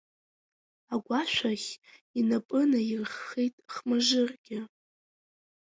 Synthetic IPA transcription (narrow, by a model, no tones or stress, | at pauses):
aɡʷaʃᶣʷaχʲinapʼɨnairχːejtʼχmaʒɨrɡʲɪ